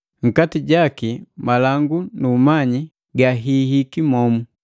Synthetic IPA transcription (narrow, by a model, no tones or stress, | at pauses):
ŋ̩katiɟakimalaŋɡunumaɲi | ɡaɦihikimɔmu